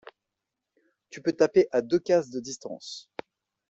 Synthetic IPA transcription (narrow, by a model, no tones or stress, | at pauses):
t̪ypøt̪apeʔad̪økʲasd̪əd̪ist̪ɑ̰̃s